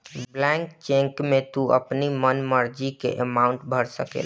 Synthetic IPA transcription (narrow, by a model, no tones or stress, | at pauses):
bblɛ̃ŋkt͡ʃẽŋkmet̪uə̰pnimənməɾd͡ʒikḛʔəmaʊɳʈbʱəɾsəkḛl